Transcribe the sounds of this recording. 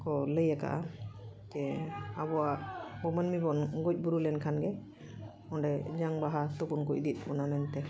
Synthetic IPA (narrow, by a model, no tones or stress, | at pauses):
kɔləjaka̰ʔa̰d͡ʒɛabɔwaʔbɔmənmibɔnɡɔc̚buɾulɛnkʰanɡɛ | ɔɳɖɛd͡ʒaŋbaɦasɔkunkɔd̪it̪̚ˀbɔnamɛnt̪ɛ